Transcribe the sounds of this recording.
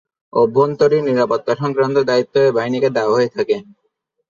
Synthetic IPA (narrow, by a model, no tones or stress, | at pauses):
obʱːont̪oɾiɾniɾapot̪ːaʃɔŋkɾant̪od̪ait̪ːoebaɦiniked̪aaɦoet̪ʰake